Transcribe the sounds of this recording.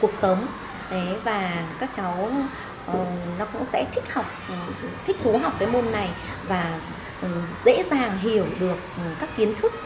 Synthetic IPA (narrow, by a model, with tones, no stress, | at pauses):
ku˨˩ək̚sə˨˦wŋ͡m | ɗe˨˦vaː˨˩kaː˦˥k̚t͡ɕa˨˦w | nɔ˨˦kʊ̰˧˥ŋ͡msɛ̰˧˥t̪ʰï˥k̟̚ha˨˩wk͡p̚t̪ʰi˦˥k̚t̪ʰu˨˦ɦa˨˩wk͡p̚kaː˨˦jmo˧nːa˨˩jvaː˨˩ | ʔzḛ˧˥zaː˨˩ŋɦi˨˧˩əwɗɨ˨˩ək̚kaː˦˥kːi˨˦ənt̪ʰɨ˦˥k̚